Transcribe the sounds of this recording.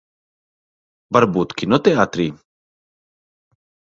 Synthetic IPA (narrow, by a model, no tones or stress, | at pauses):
bɐɾbuːt̪kinot̪ɛaːt̪ɾiː